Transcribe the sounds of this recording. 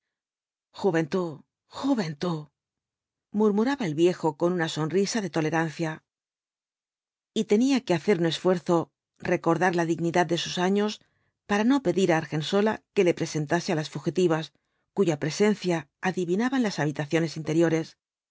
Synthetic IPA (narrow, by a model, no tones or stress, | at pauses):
xuβe̞nt̪u | xuβe̞nt̪u | muɾmuɾaβae̞lβje̞xo̞ko̞nunaso̞nrisaðe̞t̪o̞le̞ɾanθja | it̪e̞niake̞aθe̞ɾunoe̞sfwe̞ɾθo̞ | re̞ko̞ɾðaɾlaðiɣniðad̪d̪e̞susaɲo̞s | paɾano̞pe̞ðiɾaːɾxe̞nso̞la̰ke̞le̞pɾe̞se̞nt̪asealasfuxit̪iβ̞as | kuʝapɾe̞se̞nθjaːðiβinaβanlasaβ̞it̪aθjo̞nesint̪e̞ɾjo̞ɾe̞s